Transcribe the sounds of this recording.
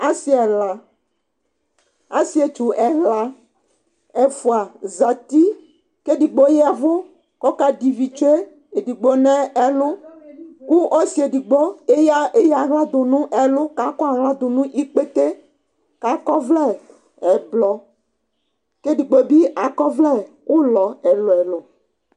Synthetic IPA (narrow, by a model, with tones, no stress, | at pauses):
a˦si˦ɛ˨la˨ | a˦si˦e˨t͡ʃu˨ʔɛ˨ɦla˦ | ɛ˨fu˨a˨za˨t̪i˦ | ke˦ɖi˨ɡ͡bo˦jɛ˦a˨vo˦ | kɔ˦ka˦di˨vi˨t͡ʃo˦e˦ | e˨ɖi˨ɡ͡bo˦nɛ̃˦ɛ˦lo˦ku˦ɔ˦si˨˦e˨di˨ɡ͡bo˦e˦ja˦e˦ja˨ɣla˦d̪o˨nũ˦ʔɛ˨lo˦ka˦kɔ˦a˨ɣla˦d̪o˨nũ˦ʔi˦k͡pe˦t̪e˦ | ka˨˦kɔ˦vlɛ˦ | ɛ˨blɔ˨ | ke˦ɖi˨ɡ͡bo˦bi˦a˨kɔ˦vlɛ˦ | wʔo˦lɔ˨ɛ˨lo˨ɛ˨lo˨